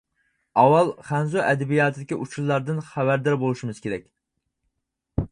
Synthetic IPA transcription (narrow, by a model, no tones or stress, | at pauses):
ɑwɑlˠχænzuʔɛd̪ɛbijɑːt̪ʰɨd̪ɪkʲiʔut͡ʃʰulːˠɑɾd̪ɨnχævæɾd̪ɑɾbolˠuʃimɨz̥kʲʰeɾɛkʲ